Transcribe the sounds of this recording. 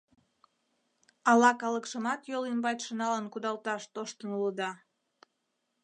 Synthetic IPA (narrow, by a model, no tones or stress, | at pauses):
ɑlɑkɑləkʃəmɑt̪jolimbɑt̪ʲʃənɑlənkud̪ɑlt̪ɑʃt̪oʃt̪ənuləd̪ɑ